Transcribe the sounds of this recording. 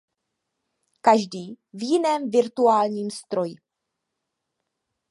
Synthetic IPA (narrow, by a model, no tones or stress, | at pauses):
kaʒdiː | vjɪnɛːmvɪɾt̪uaːlɲiːmst̪ɾo̞jɪ